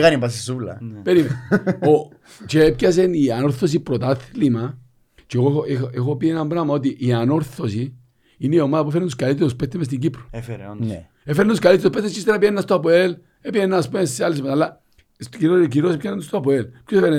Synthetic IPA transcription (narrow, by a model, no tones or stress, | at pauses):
kanipas̬isulɐ̰peɾimeo | t͡ʃepkɐs̬enianoɾθos̬ipɾot̪aθlima | t͡ʃeɣoeexopienambɾamaot̪̬iʔːano̞ɾθosi | ineiomaðɐp̬uefenent̪oskalit̪ːeɾuspet̪ːemes̬t̪iɲɟipɾo̥f | efeɾent̪uskalit̪ːeɾuspet̪ːest͡ʃist̪enapienːast̪oapoel | epienːaspuesːealis̬mesalːa | siɾciɾiosepçanent̪ost̪oapoelpkosfeɾe